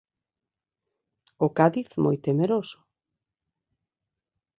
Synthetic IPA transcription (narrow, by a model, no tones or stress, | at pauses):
ʊkaðiθmo̰jt̪emeɾosʊ̥